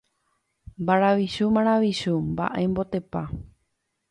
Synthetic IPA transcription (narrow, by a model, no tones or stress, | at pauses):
mbaɾaʋiʃumãɾ̃aʋiʃumba̰ʔembo̞t̪e̞pa